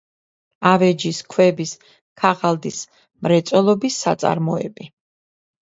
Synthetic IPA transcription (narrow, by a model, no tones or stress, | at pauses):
avɛd͡ʒiskʰwɛbis | kʰaʁald̪is | mɾɛt̪sʼwɛlˠɔbisːa̰t̪sʼa̰ɾmɔɛ̰bi